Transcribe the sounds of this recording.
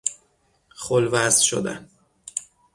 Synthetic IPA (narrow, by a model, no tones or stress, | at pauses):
χolvæzʃo̰d̪æ̰n